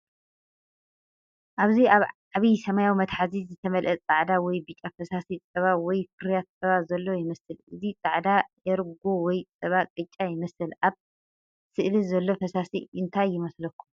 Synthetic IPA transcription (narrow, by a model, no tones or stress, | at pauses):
ʔaβziaβ | aβisɐmajawimɐt̪ħazizɨt̪ʰɐmɐlʔɐt͡s̪ʼaʕd̪awɔjbɨt͡ʃʼafɐsasit͡sʼɐβawɔjfɨɾjat̪̚sʼɐβazɐlːojɪmɐsɨlʔɨzit͡s̪ʼaʕd̪ajɛɾɡowɔjt͡sʼɐβakʼɨt͡ʃʼːajɪmɐsɨlʔaβ | sɨʔlizɐlːo̞fɐsasiʔɨnt̪ʰajːɪmɐslɐkʰːum